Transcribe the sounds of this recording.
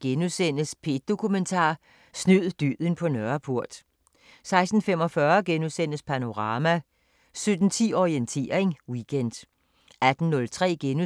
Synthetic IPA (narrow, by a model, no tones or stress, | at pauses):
ɡ̥enusen̰əspʰe̝d̥̚o̝kʰument͡sʰɑ̰̈ː | snyð̰ˠd̥yðˠən̩pʰɒ̽nɶɐpʰuɐ̰d̥ | sɑ̈ɪsd̥n̩femɒ̽fɶɐɡ̥enuðˠsen̰əspʰæno̝ʁɑ̈ːmæ | sød̥n̩t͡sʰḭːɒient͡sʰe̝̰ːɐ̰eŋwiɡ̥ʰen̰d̥ | æd̥n̩nɔ̽lt͡sʰʁɛ̰ːɡ̥enu